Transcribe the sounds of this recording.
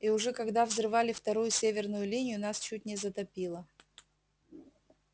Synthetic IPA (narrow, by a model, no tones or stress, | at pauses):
iʊʐɛkɐɡd̪avzrɨvalʲɪft̪ɐɾujʊsʲevʲɪrnʊjʊlʲinʲɪjʊnast͡ɕutʲnʲɪzət̪ɐpʲilˠə